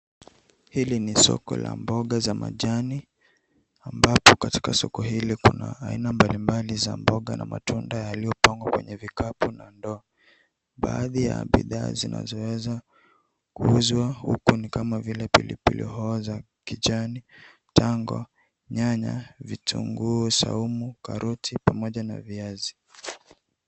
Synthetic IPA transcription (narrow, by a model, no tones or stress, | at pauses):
hilinisɔ̰kɔ̰lambɔɠazama̰ʄani | ambapɔkati̥kasɔkɔɦilikunaːinambalimbalizambɔɠanamatʰundajalijɔpaŋɡwakwɛɲɛvikapunandɔa | ɓaːðijaɓḭða̰ːzina̰zɔwɛza | kuuzwahukunikamavilɛpilḭpḭlʔḭhɔːza | kiʄani | taŋɡɔ | ɲaɲavitʰṵŋɡusa̰umukaɾʔutʰipamɔʄana̰viazi